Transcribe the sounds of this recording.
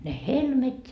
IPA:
ne helmet

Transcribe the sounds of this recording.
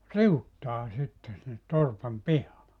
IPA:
riutːɑː sitːe sinːet torpɑm pihɑː

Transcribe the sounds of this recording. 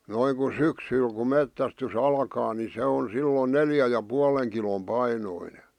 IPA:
noiŋ ku syksyl ku metːæstys ɑlkɑː ni se on silːon neljæ jɑ puɑleŋ kilom pɑinoine

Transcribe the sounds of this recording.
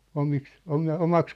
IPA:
omiks omɑ omɑks

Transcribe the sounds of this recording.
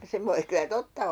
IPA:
se ʋoi kylæ totːɑ

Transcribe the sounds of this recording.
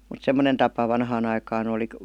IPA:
mut semːonen tɑpɑ ʋɑnhɑːn ɑikɑːn oli

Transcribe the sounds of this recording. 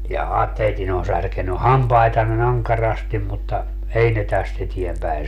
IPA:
jɑhɑ teitin on særkeny hɑmpɑitɑnːen ɑŋkɑrɑstim mutːɑ ei ne tæst etiempæin

